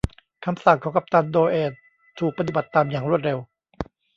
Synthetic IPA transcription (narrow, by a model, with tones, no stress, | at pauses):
kʰa˧msa˨˩ŋkʰɔː˨˩˦ka˨˩p̚t̪aː˧nd̪oː˧ʔeː˧˩t̪ʰː | uː˨˩k̚pa˧t̪̬i˨˩ba˨˩t̪ːaː˧mjaː˨˩ŋɾu˥˩ət̪̚ɾe˧w